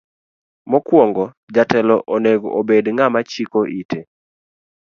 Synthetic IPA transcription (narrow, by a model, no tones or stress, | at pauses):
mɔkwɔŋɡɔ | d͡ʒatɛlɔʔoneɡobedŋamat͡ʃikoʔite